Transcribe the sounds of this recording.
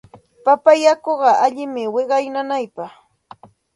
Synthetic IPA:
papajakoɢɑʔaʎɪmɪwɪɢɑjnanajpɑχ

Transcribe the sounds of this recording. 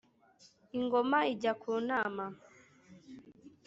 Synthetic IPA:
iŋɡomaiɟakʰuːnaːma

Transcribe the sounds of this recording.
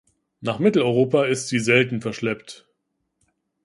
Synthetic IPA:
naːχmɪtl̩ɔʏʁ̞oːpaɪstz̥iːzɛltn̩fɛɐʃlɛpt

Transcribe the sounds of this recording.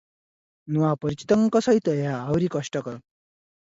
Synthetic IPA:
nuʋapʌɾit͡ɕi̥t̪ʌŋkʌsʌit̪əjaːwɾikʌʂʈʌkʌɾ

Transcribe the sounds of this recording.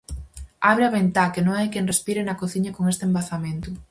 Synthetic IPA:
aβɾeaβent̪akenõŋajkenrespiɾenɐkoθiɲɐkoŋest̪embaθamẽnt̪ʊ

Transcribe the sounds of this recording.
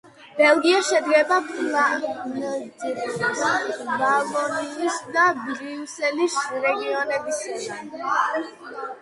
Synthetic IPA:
b̥ɛlˠɡiaʃɛd̪ɡɛbapʰʼla | vavɔniisd̪abɾiusɛlisɾɛɡiɔnɛbis

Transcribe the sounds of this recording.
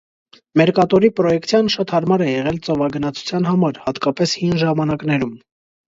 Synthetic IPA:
mɛɾkɑt̪ɔɾipɾɔjɛkt̪ʰjɑnʃɑt̪hɑɾmɑɾɛjɛʁɛlt͡sɔvɑɡənɑt͡sʰu̥t͡sʰjɑn̪ɦɑmɑɾhɑt̪kɑpɛshinʒɑmɑnɑknɛɾum

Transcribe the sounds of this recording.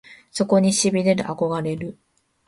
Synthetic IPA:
so̞ko̞ɲ̟iɕibʲid̪ed̪ḛʔako̞ɡaɾe̞ɾɯ̟

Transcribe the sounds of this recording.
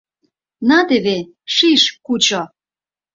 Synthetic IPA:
nɑt̪eβe | ʃiʃkut͡ɕo

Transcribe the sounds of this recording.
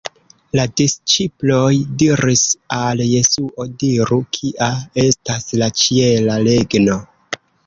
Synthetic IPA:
ladist͡ʃiplo̞jdiɾisalje̞suʔo̞diɾukʰiʔae̞staslat͡ʃie̞lale̞ɡno̞

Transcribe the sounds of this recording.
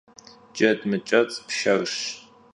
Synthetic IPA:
d͡ʒɐdmɨt͡ʃʼɐt͡sʼpʃɐrɕ

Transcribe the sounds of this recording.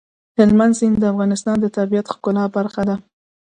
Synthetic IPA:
hɪlmand̪sind̪əafɣɑnɪst̪ɑnd̪ət̪aɾbijat̪xkʊlɑbaɾxad̪a

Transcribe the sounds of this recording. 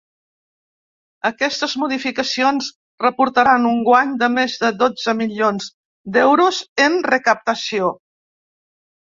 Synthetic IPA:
əkɛst̪əzmuð̞ifikəsionz | rəpuɾt̪əɾanuŋɡwaɲd̪əmezðəðod͡zəmiʎionz | d̪ɛwɾuzənrəkəp̚t̪əsio

